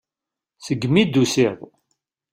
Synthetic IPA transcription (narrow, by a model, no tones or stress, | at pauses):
səɡːmid̪usiðˤ